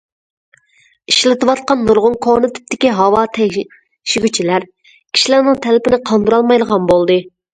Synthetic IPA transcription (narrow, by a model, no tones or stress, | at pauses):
iʃlɪt̪ɨwɑt̪̚qɑnːuɾʁʊŋkʰonɨt̪ʰɪ̥p̚t̪ːɪkʲiɦɑwɑt̪ʰɛ | ʃiɡʲyt͡ʃʰilæɾ | kʲʰi̥ʃilæɾnɨŋt̪ʰɛlɪpɪnɪqʰɑnd̪uɾɑlˠmɑjlˠəʁɑnbolˠd̪ɨ